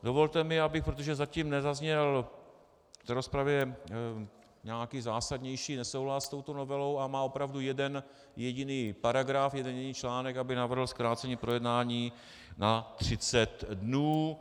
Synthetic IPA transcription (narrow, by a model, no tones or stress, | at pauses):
do̞vo̞lt̪ɛmɪabɪxpɾot̪o̞ʒɛzaciːmnɛzazɲɛl | ft̪ɛɾo̞spɾavjɛ | ɲaːkiːzaːsadɲɛjʃiːnɛsowɦlast̪o̞wt̪ono̞vɛlo̞wamaːo̞pɾavdujɛdɛn | jɛɟɪniːpaɾaɡɾafjɛdɛnjɛɟɪniːt͡ʃlaːnɛkabɪnavr̩ɦl̩skɾaːt͡sɛɲiːpɾo̞jɛdnaːɲiː | nat̪r̥ɪt͡sɛt̪dnuː